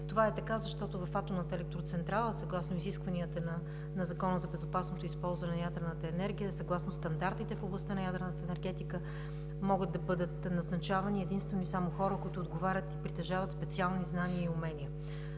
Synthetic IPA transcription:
t̪ovaɛt̪ɐkazɐʃt̪ɔt̪ʊvɐfat̪omnət̪əɛlɛk̚t̪ɾot̪sɛnt̪ɾalˠəsɐɡlˠasnoiziskvɐniət̪ənɐ | nɐzɐkɔnəzɐbɛzʊpasnot̪oispɔlˠzvɐnɛnɐjad̪ɾɛnət̪əɛnɛɾɡʲijəsɐɡlˠasnʊst̪ɐnd̪aɾt̪it̪ɛfoblˠɐst̪anɐjad̪ɾnət̪əɛnɛɾɡɛt̪ikə | mɔɡəd̪̚d̪ɐbɤd̪ət̪nɐznɐt͡ʃavɐniɛd̪inst̪vɛnisamoxɔɾəkʊit̪ʊːd̪ɡovaɾʲət̪ipɾit̪ɛʒavət̪spɛt̪sialˠniznaniəiʊmɛnʲiə

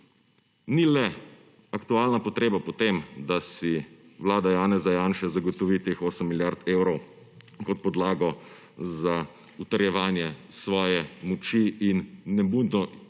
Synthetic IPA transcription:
nilɛ | akt̪uaːlnapɔt̪ɾeːbapɔt̪emd̪asiʋlaːd̪ajaːnɛzajaːnʃɛzaɡɔt̪ɔʋit̪eːxoːsəmːiljaɾt̪eːwɾɔw | kɔt̪̚pɔd̪laːɡɔ | za | ut̪ɐɾjɛʋaːnjɛsʋɔːjɛmɔt͡ʃiinːɛbund̪nɔ

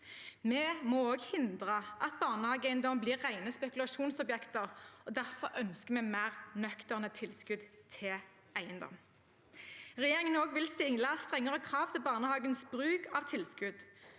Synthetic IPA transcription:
mɛmooːɡhɪnd̪ʁəʔɑt̪̚bɑːʁnəhɑːɡæɪənd̪ɔmbliːʁːæɪnəspɛkʉlɑʃuːnsɔbjɛkt̪əʁɔd̪æʁfɔʁœnskəmeːmæːʁnœkt̪əʁnət̪ʰɪlskʉd̪t̪ʰɪl | æɪənd̪ɔ̰m | ʁɛjeːʁɪŋənoːɡʋɪlst̪ɪŋləst̪ʁɛŋːəʁəkʰʁɑːʋt̪ʰɪlbɑːʁnəhɑːɡənsbʁʉːkʰɑʋt̪ʰɪlskʉd̪

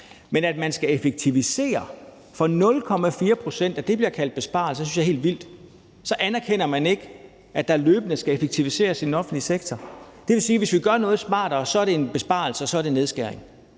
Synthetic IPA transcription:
menæd̥̚mænsɡ̥æe̝feɡ̥̚t͡sʰiʋise̝̰ːɐ | fɒ̽nɔ̽lkʰɒ̽mæfiːɐpʰʁo̝sen̰d̥æd̥e̝b̥liɐkʰæl̰d̥̚b̥e̝sb̥ɑ̰̈l̩sə̥synsjɑ̈ɪhe̝̰ld̥ʋil̰d̥ | sɒ̽ʔænæɐkʰen̰ɐmæne̝ɡ̥ə | æd̥ɑ̈ɐløːb̥ənəsɡ̥æefeɡ̥̚t͡sʰiʋise̝̰ːɐsinɒ̽fn̩dliseɡ̥̚t͡sʰɒ | d̥e̝ʋe̝siːʋe̝sʋiɡ̥ɶɐnɔ̽ːð̞̩ˠsmɑ̰̈ːd̥ɐsɒ̽æɐɾe̝enb̥e̝sb̥ɑ̈l̩səɒ̽sɒ̽ɐde̝neðˠsɡ̥æɐ̰eŋ

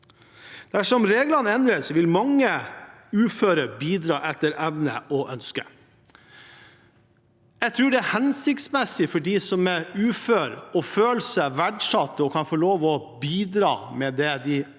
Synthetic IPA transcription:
d̪̥æʂɔmɾeːɡlɑnɛnd̪ɾəsʋɪlmɑŋːəʉːføːɾəɾbiːd̪ɾɑːʔɛt̪ːəɾɛʋnə̰ʔɔʔœnskə | jæɡt̪ʰɾʉːɖɛæhɛnsɪkt̪smɛsːɪfɔɖiːsɔmɛʉːføːɾɔføːlsəʋæɖʂɑt̪ːəɔkʰɑnfoːɭoːʋɔ | biːd̪ɾɑ̰ːmɛd̪ɛd̪ɪ

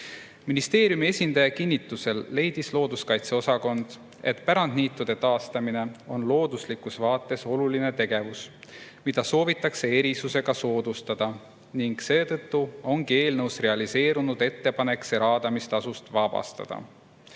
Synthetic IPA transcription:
minist̪e̞ːɾjumie̞sʲind̪̥ɑjɑkinʲːit̪ːˑuse̞lːe̞jd̪̥islo̞ːd̪uskɑjt̪se̞o̞sɑko̞nd̪̥ | e̞̰t̪ˑpæɾɑnd̪niːt̪ːˑud̪̥e̞t̪ɑːst̪ɑmine̞o̞nlo̞ːd̪̥uslikusvɑːt̪ːˑe̞so̞luline̞t̪e̞ɡ̥e̞vusmid̪̥ɑso̞ːvit̪ːˑɑkse̞e̞ɾisuse̞ɡ̥ɑso̞ːd̪̥ust̪ɑd̪̥ɑ | niŋɡ̥se̞ːt̪ɤ̞t̪ːuo̞ŋɡ̥ie̞ːlnɤwsre̞ɑlise̞ːɾunud̪e̞t̪ːe̞pɑne̞kseɾɑːd̪̥ɑmist̪ɑsust̪vɑbɑ̰st̪ɑ̰d̪̥ɑ̰

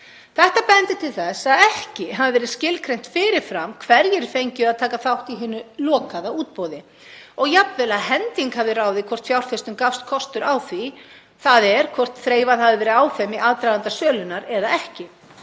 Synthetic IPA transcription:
θɛht̪apɛnt̪ɪt̪ʰɪlθɛsaðɛhcɪɦaðɪvɛːɾɪðscɪlkʰɾejn̥t̪fɪːɾɪɾ̥fɾamkʰvɛɾjɪɾfejɲcʏaðt̪ʰaːkaθawht̪iɦɪnːʏlɔːkaðauːt̪̚pɔwðɪ | ɔɣjapvɛlaðɦɛnt̪iŋkhavðɪraːwðɪkʰvɔr̥t̪fjawɾ̥fɪst̪ʏmkafst̪̚kʰɔst̪ʏɾawθvi | θaðɛɾ̥kʰvɔr̥t̪θɾeːjvaðhavɪvɛːɾɪaːwθɛmiʔaðt̪ɾajðant̪asœːlʏnaɾɛðaɛhcɪ

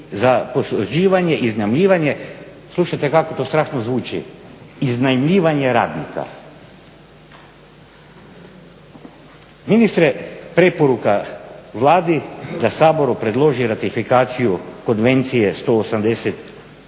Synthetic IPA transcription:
zaposod͡ʒiːʋaɲe̞ʔiznaimʎiːʋaɲe̞ | slˠuʃajt̪e̞kako̞t̪oːst̪ɾaːʃnozʋuːt͡ʃḭiznaimʎiːʋaɲe̞ɾa̰ːd̪nḭka̰ | minist̪ɾepɾe̞po̞ɾukaʋlˠaːd̪id̪asaːbo̞ɾupɾe̞d̪lˠo̞ʒiɾat̪ifikaːt̪sijuko̞nʋe̞nt̪sije̞st̪o̞ːsamd̪e̞set̪

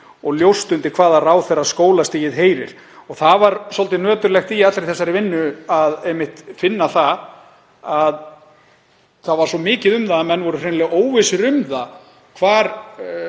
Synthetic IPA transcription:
ɔɣljowst̪ʏnt̪ɪɾ̥kʰv̥aːðaraːwθerːaskoːwlast̪iːjɪðɦeːjɾɪ̰ɾ̥ | ɔɣθavaɾsɔlt̪ɪnœːt̪ʏɾlɛxt̪iat̪lɾejθɛsːaɾɪvɪnːʏaðejmːɪht̪fɪnːaθa | að | θavaɾ̥sɔmɪːcɪðʏmðamɛnːvɔɾʏrenlɛɣʔoːwvɪsɪɾʏmða | kʰvaːɾ

